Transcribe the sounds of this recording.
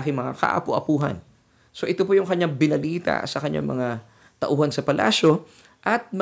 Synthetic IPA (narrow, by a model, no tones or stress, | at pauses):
kɪŋmɐŋa̰kɐ̰ʔɐ̰pʊʔɐpuːɦɐ̰n | so̞ʔɪt̪opojʊŋkɐɲaŋbɪnɐliːt̪ɐ̰sɐkɐɲːa̰ŋmɐ̰ŋa | t̪ɐʔuːhɐnsɐpɐlʔa̰ːso̞ | ʔɐt̪̚mɐ